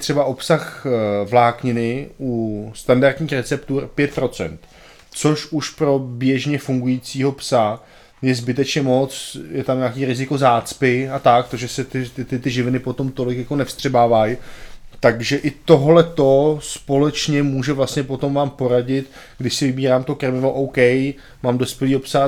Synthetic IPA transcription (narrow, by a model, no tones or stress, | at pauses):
t̪r̥ɛbaʔo̞psaxvlaːkɲɪnɪʔust̪andaɾt̪ɲiːxɾɛt͡sɛpt̪uːɾpjɛt̪̚pɾo̞t͡sɛ̰nt̪ | t͡so̞ʃuʃpɾo̞bjɛʒɲɛfuŋɡujiːt͡siːɦo̞psa | jɛzbɪt̪ɛt͡ʃɲɛmo̞t͡sjɛt̪amɲaːkiːɾɪzɪko̞zaːt͡spɪat̪ak̚t̪oʒɛsɛt̪ɪɪt̪ɪt̪ɪʒɪvɪnɪpo̞t̪o̞mt̪o̞lɪkjako̞nɛfst̪r̥ɛbaːvajt̪aɡʒɛʔɪt̪o̞ɦlɛt̪o̞spo̞lɛt͡ʃɲɛmuːʒɛvlast̪ɲɛpo̞t̪o̞mvaːmpo̞ɾaɟɪt̪ | ɡdɪʃsɪvɪbiːɾaːmt̪okɾɛmɪvoʔowkɛj | maːmdo̞spjɛliːɦo̞psa